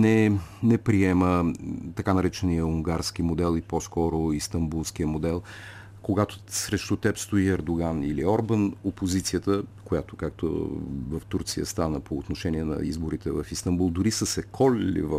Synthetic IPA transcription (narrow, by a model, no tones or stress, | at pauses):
nɛnɛpɾiɛmət̪ɐkanɐɾɛt͡ʃɛnijəuŋɡaɾsk̟imod̪ɛlˠiposkɔɾoist̪ɐmbulˠsk̟iəmod̪ɛlˠ | koɡat̪osɾɛʃt̪ut̪ɛpst̪oiɛɾd̪oɡaniliɔɾbənopozit̪sijət̪əkojat̪okak̚t̪o̰vəft̪uɾt̪sijə̰st̪anəpoːt̪noʃɛniɛnɐ̰izboɾit̪ɛvɐfist̪ɐmbulˠd̪ʊɾisəsɛkʰɔlɛlḭvə